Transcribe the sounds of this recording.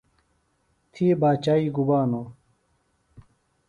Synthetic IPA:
t̪ʰibaːt͡ɕaːiːɡubaːnoː

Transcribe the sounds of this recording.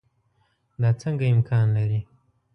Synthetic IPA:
d̪ɑt͡səŋɡaɪmkʰɑːnlaɾi

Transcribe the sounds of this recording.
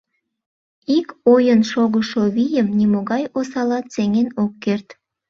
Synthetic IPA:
ikojənʃoɣəʃoβijəmnimoɣɑjosɑlɑt̪seŋenokːert̪

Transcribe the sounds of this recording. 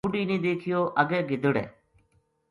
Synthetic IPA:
ʊɖiːnĩːd̪eːkʰɪjoːʔəɡɛːɡɪd̪əɽɛ̰ː

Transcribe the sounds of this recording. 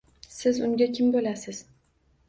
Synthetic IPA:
sɪzʊŋɡʲakʲʰɪmbolasɪz̥

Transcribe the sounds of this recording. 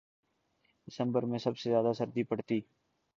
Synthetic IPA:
ɪsə̃mbəɾmẽːsəbsezjaːd̪asəɾd̪ipəɽt̪iː

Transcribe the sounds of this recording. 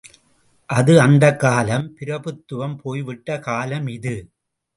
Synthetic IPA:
ʔɐðɯɐnd̪ɐkːaːlɐmpɪɾɐpɯt̪ːɯʋɐmpʰoːjʋɪʈːɐkaːlɐmɪðɯ

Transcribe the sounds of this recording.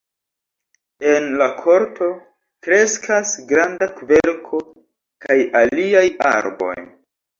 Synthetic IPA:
e̞nlakʰo̞ɾto̞ | kɾe̞skʰasɡɾandakve̞ɾkʰo̞ | kajaliaja̰ɾbo̞̰j

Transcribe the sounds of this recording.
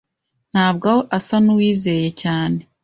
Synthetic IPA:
n̥haːb̚ɡawoʔasanuwiːze̞je̞caːne̞

